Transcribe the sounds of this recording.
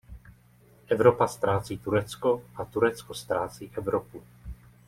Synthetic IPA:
ʔɛvɾopast̪ɾaːt͡siːt̪uɾɛt͡skoʔat̪uɾɛt͡skost̪ɾaːt͡siːʔɛvɾopu

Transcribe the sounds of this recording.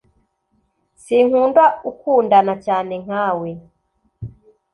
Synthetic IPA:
siŋ̥undwaukundanacaːneŋ̥aːwɛ

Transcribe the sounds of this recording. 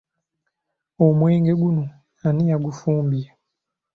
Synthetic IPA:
omweːŋɡeɡuno | aniaɡufuːmbia

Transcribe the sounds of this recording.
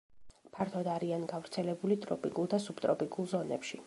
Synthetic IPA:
pʰaɾt̪ʰɔd̪aɾianɡavɾt̪sʰɛlɛbulit̪ʼɾɔ̰pʼikʼulˠd̪asubt̪ʼɾɔpʼikʼulˠzɔnɛpʃi

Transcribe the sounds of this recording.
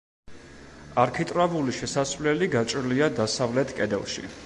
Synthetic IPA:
aɾkʰit̪ʼɾavuliʃɛsasvlɛliɡat͡ʃʼɾliad̪asavlɛt̪ʰkʼɛd̪ɛ̰lˠʃḭ

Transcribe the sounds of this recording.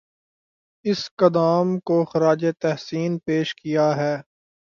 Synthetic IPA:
ɪskɐd̪aːmkoxɐɾaːd͡ʒet̪ɛɦsiːnpeːʃkijaɦɛː

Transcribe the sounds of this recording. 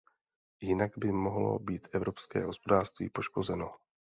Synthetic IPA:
jɪnaɡbɪmoɦlo̞̰biːt̪ʔɛvɾo̞pskɛ̰ːɦo̞spo̞daːrst̪vḭːpo̞ʃko̞zɛno̞

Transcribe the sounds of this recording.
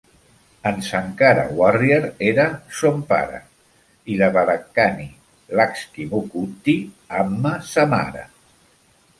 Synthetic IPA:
ənsaŋkaɾa̰warjeɾeɾasompa̰ɾa̰ | ilaβaðakani | lakskimukut̪i | amːasama̰ɾa̰

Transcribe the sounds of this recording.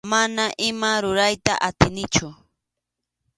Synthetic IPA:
manaʔɪmaɾʊɾajt̪a̰ʔat̪ɪnɪt͡ʃʊ

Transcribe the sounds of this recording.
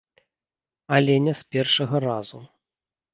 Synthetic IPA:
alʲɛnʲɛspʲɛrʂɐɣɐɾazu

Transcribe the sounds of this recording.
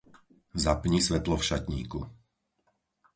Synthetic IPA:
zapɲisʋɛt̪lɔfʃacɲḭːku

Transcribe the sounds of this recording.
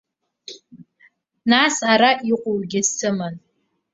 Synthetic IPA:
nasaɾaʔiqʷʼowɡʲɪstʰɨman

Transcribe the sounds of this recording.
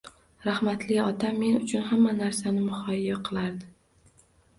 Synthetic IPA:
ɾahmat̪lɪɒt̪ʰamːe̞nʊt͡ʃʰʊnɦamːanaɾsanɪmʊhɒjijaqʰɨlˠaɾd̪ɪ

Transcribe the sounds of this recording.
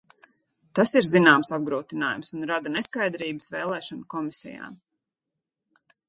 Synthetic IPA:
t̪asiɾzinaːmsab̚ɡɾuːt̪ina̰ːjumsunɾad̪aneskajd̪ɾiːbəsvɛːlˠɛːʃɔnkɔmisɛ̰ja̰ːm

